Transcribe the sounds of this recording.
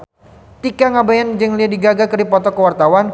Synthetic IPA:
t̪ikaŋabajand͡ʒəŋliadiɡaɡakəripɔt̪ɔkəwart̪awan

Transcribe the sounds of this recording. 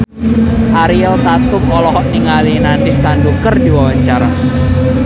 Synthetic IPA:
ʔaɾiɛlt̪at̪ʊk̚ɔlɔɦɔʔniŋalinandɪsanɖukərd̪iwawaɲt͡ʃaɾa

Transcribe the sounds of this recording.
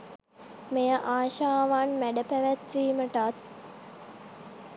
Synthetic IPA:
mejəʔaːʃaːʋanmæɖəpæʋæt̪ʋiːməʈat̪̚

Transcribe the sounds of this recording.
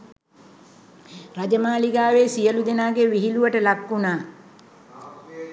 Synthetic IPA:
rad͡ʒəmaːliɡaːʋeːsijəlud̪enaːɡeʋiɦiluʋəʈəlakːunaː

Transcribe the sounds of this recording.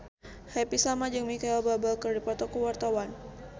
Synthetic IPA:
hɛpisamad͡ʒəŋmikajababalkərdipɔt̪ɔkuwart̪awan

